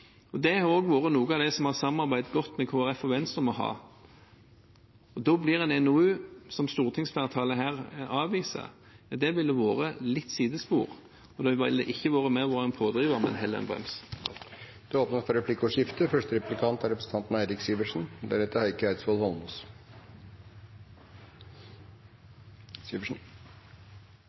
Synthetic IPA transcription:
ɔd̪ɛɾoːɡʋoːɾənuːɡɑʋd̪ɛsɔmhɑʁsɑmɑɾbæɪd̪ɡɔt̪ːmɛkʰoːæʁɛfɔʋɛnst̪ʁəmɔɦɑ̰ː | ɔd̪oːblɪʁɛnɛnoʉːsɔmst̪uːʁt̪ʰɪŋsfæːʁt̪ʰɑːləɦæːʁɑːʋiːsə̰ | d̪ɛʋɪld̪ɛʋoːʁəlɪt̪ːsiːd̪əspṵːʁ | ɔd̪ɛʋɪld̪ɛ̰ʔɪçːəʋoːʁəmɛʋoːʁɛnpʰoːd̪ʁiːʋəʁmɛ̰nɦɛlːəʁɛ̰nbʁɛ̰ms | d̪̥ɛoːpnəfɾɔɾɛpʰlɪkːəɔʂɪft̪əfœʂʈəɾɛplɪkʰɑnt̪æɾɛpɾəsn̩t̪ʰɑnt̪n̩æɪɾɪksiːʋəʂn̩d̪æɾɛt̪ːəhɑɪkːəæɪd̪sbɔːlhɔlnɔs | siːʋəʂn̩

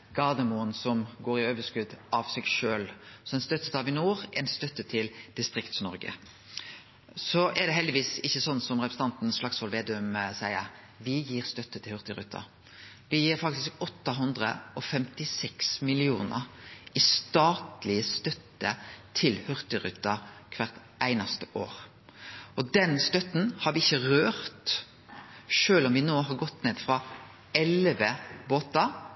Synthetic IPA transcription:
ɡ̥ɑʁd̪əmuːənsɔmɡoːɾɪøːʋəskʉd̪ʔɑʋsɛɡʃøːlsɔɛnst̪œt̪ːət̪ɑʋɪnuːɾʔɛɪnst̪œt̪ːət̪ʰɪld̪̥ɪst̪ʁɪkt̪snɔɾɡə̰ | sɔʔɛd̪ɛɦɛld̪ɪʋiːsɪçːəsɔnːsɔmʁɛpɾəsn̩ɑnt̪n̩sflɑksʋɔlʋeːd̪ʉmsæɪəɾ | ʋɪjiːɾst̪œt̪ːət̪ʰɪlhʉʁt̪əɾʉ̰t̪ʰːɑ̰ | ʋɪjiːɾfɑk̚t̪ɪskɔt̪ːɑɦʉnd̪ʁə̰ɔfɛmt̪ɪsɛksmɪlɪṵːnə̰ɾɪst̪ɑːt̪lɪəst̪œt̪ːət̪ʰɪlhʉʁt̪ɪɾʉ̰t̪ːɑkʰʋæʁt̪ | æɪnɑst̪əʔo̰ːɾ | ʔɔd̪ɛnst̪œt̪n̩hɑɾʋɪɪçːəɾøːɾt̪ | ʃøːlɔmʋɪnoːɦɑɾɡɔt̪ːneːd̪fɾɑ | ɛlʋəboːt̪ɑ

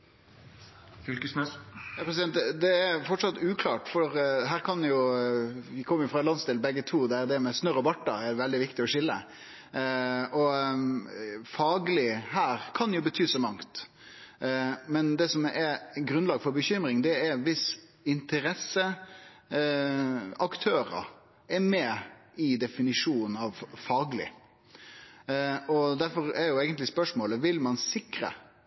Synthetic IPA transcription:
ksmɛpʰɾɛsɪd̪ɛnt̪əd̪ɛæfɔʈʂɑt̪ːʉːkʰlɑːʈfɔɾɦæːɾkʰɑnjʊ | ʋɪkʰɔmːəɾjʊfɾɑlɑnst̪ɪlbɛɡːət̪ʰuːd̪ɛæɾd̪ɛmɛsnøɾɔbɑʈːɑ̰ɛdʋɛld̪ɪʋɪkt̪ɪɔʂɪlːə̰ | ɔ | fɑːɡəlɪhæːɾkʰɑnjʊbət̪ʰyːsɔmɑŋt̪ | mɛnd̪ɛsɔmɛɾɡɾʉnlɑːɡəfɔɾbəçʏmɾɪŋd̪ɛɛɾʋɪsɪnt̪əɾɛsːə | ɑkt̪ʰøːɾə̰ | ɛɾmɛ | ɪd̪ɛfɪnɪʂuːn̩ɑʋfɑːɡəlɪ̰ | ɔd̪æɾfɔɾɛɾjʊeːɡənt̪lɪspœʂmoːləʋɪlmɑnsɪkɾə̰

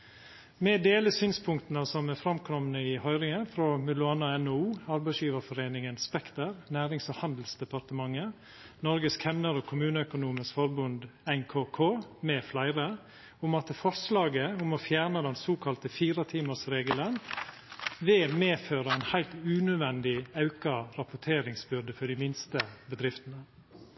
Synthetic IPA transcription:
mɛd̪eːləsyːnspʰʊŋkt̪nəsɔmɛfɾɑmkʰɾɔmnəɪhœʏɾɪŋənfɾoːmʉlʊɑːnɑɛnoːuːɑɾbæɪsjiːʋəɾfɔɾeːnɪŋənspɛkt̪əɾnæːɾɪŋsɔhɑnd̪l̩sd̪ɛpɑɾt̪əmɑŋːə | nɔɾɡəskʰɛmnəɾoːkʰʊmʉːnəœkʊnuːməskfɔɾbʉnd̪ɛŋkʰoːkʰoːmɛːflæɪɾə | ʊmɑt̪əfɔɾslɑːɡəʊmɔfjæːɳəd̪ɛnsoːkʰɑlt̪əfiːɾɑt̪ʰiːməsɾeːɡələn | ʋɛːmeːføːɾəæɪnhæɪlt̪ʉːnʉd̪ʋɛnd̪ɪɑʉkɑɾɑpʊʈʰeːɾɪŋsbʏɾd̪əfɔɖɪmɪnst̪əbəd̪ɾɪft̪ənə

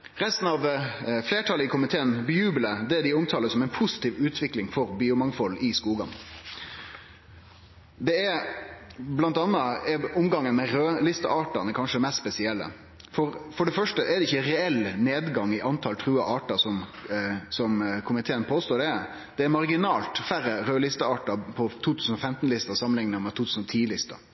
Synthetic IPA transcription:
ɾɛst̪n̩ɑʋfleːʈʰɑləɪkʰʊmɪt̪ʰeːənbjʉːbələd̪ɛd̪ɪʊmt̪ʰɑːləsɔmɛɪnpʰʊsɪ̥t̪iːʋʉːt̪ʰʋɪklɪŋfɔɾbiːʊmɑŋfɔlːɪskuːɡɑ̰n | d̪ɛɛɾ | blɑnt̪ɑnːəɛʊmɡɑŋːənmɛɾøːlɪst̪ə̰ʔɑːʈənəkʰɑnʂəmɛst̪spɛsɪɛlːə̰ | fɔɾfɔɖɛfœʂʈəʔɛd̪ɛɪçːəɾɛɛlneːd̪ɡɑŋɪʔɑnt̪ʰɑlt̪ʰɾʉːɑʔɑːʈɑsɔm | sɔmkʰʊmɪt̪ʰeːənpʰoːst̪oːɖɛ | d̪̥ɛæɾmɑɾɡɪnɑːlt̪fæɾəɾøːlɪst̪əɑːʈɑpʰɔt̪ʰuːt̪ʰʉːsn̩ɔfɛmt̪nlɪst̪ɑsɑmənɪŋnəmɛt̪uːt̪ʰʉːsn̩ɔt̪ʰiːlɪst̪ɑ̰

